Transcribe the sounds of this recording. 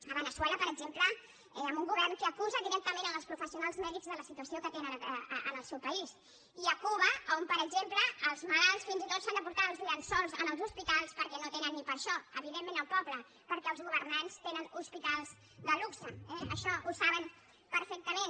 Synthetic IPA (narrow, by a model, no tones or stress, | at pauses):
əβənəswɛləpəɾəɡzemplə | ɛəmbuŋɡuβɛrnkəːkuzəðiɾɛk̚t̪əmẽnənəlˠspɾufəsiunalˠzmɛðizðələsit̪uəsiokət̪enənəənəlˠsɛwpəis | iəkuβəompəɾəɡzempləːlˠzməlalˠsfinzit̪ot̪sand̪əpuɾt̪aɾəlˠzβiansɔlˠzənəlˠzuspit̪alˠspəɾkɛnot̪enənːipəɾʃɔəβiðemːẽnəlˠpɔblə | pəɾkɛəlˠzɣuβəɾnanst̪enənuspit̪alˠz | d̪əluksəɛəʃɔʔusaβən | pəɾfɛk̚t̪əmen